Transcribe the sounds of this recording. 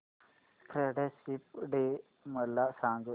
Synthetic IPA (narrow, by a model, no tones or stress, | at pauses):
pʰɾeɖesip̚ɖe | məlːasãːŋɡ